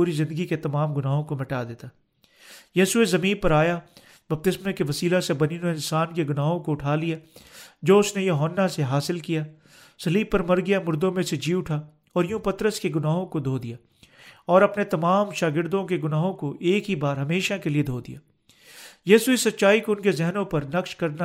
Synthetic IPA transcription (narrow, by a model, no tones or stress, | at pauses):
uːɾizɪ̃nd̪əɡiket̪ɐmaːmɡʊnaːɦõkomɪʈaːd̪eːt̪a | jiːsuezɐmĩːnpɐɾaːja | bɐp̚t̪ɪsmẽkeʋɐsiːlasebɐninoɪ̃nsaːnkeɡʊnaːɦõkoʊʈʰaːlijaːd͡ʒoːʊsnejɐɦoːnːaseɦaːsɪlkijaː | sɐliːb̚pːɐɾmɐɾɡɪjamʊɾd̪õmẽsed͡ʒiːʊʈʰa | ɔːɾjũpɐt̪ɾəskeɡʊnaːɦõkod̪ʱoːd̪ijaː | ɔːɾɐpnet̪ɐmaːmʃaːɡɪɾd̪õkeɡʊnaːɦõkoʔeːkɦibaːɾɦɐmeːʃakelied̪ʱoːd̪ḭjaː | jiːsuesɐt̪ːʃaːikoʊnkezɛɦnõpɐɾnɐkʃkɐɾd̪na